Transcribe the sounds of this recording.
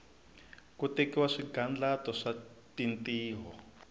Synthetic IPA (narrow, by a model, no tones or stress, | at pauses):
kutekiwaʂiɡand͡ɮatɔʂatintiːɦɔ̰